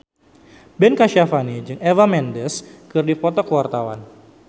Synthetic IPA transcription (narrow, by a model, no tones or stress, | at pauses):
bɛnkaʃafanid͡ʒɨŋɛvamɛndəskɨrdifɔt̪ɔkəwart̪awa̰n